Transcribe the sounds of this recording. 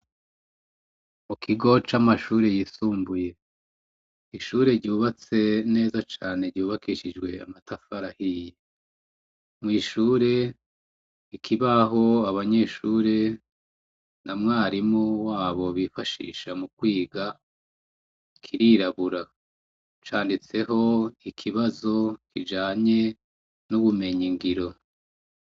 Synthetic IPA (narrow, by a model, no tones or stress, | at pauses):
mukʰiɡo̞t͡ʃamaʃuːɾe̞jisuːmbuje̞ | iʃuːɾe̞ɾɟuːβat͡se̞ne̞ːzat͡ʃaːne̞ɾɟuːβakiʃid͡ʒɡwe̞a̰matʰafaɾahije | mŋiːʃuːɾe̞ | ikʰiβaɦo̞aβaɲe̞ʃuːɾe̞ | namŋaːɾimowaːβo̞βifaʃḭːʃamukwiːɡa | kʰiɾiɾaβuɾa | t͡ʃaːndit͡se̞ɦo̞ikʰiβazo̞kʰid͡ʒaːɲe̞ | nuβume̞ɲiŋɡiɾo̞